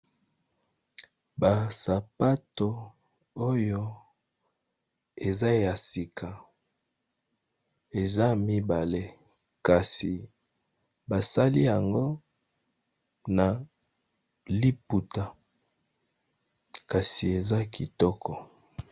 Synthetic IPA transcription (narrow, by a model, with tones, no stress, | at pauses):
ba˨sa˨pa˦to˨ | o˦jo˦ | e˨za˦ja˨si˨kʰa˨ | e˨za˦mi˦ba˨le˦ | ka˨si˨ | ba˨sa˦li˦ja˨ŋɡo˦ | na˨ | li˦pu˨ta˨ | ka˨si˨e˨za˦ki˨tɔ˦kɔ˨